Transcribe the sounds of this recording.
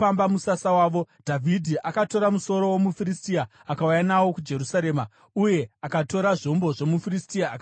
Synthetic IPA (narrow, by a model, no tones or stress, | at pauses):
ambamusasawaːʋo̞dʱavʱidʱiʔakato̞ɾamuso̞ɾo̞womufiristiaːkaujanawo̞kud͡ʒe̞ɾusaɾe̞ːma | uje̞akato̞ɾaʐo̞mbo̞ʐo̞mufiristiaːk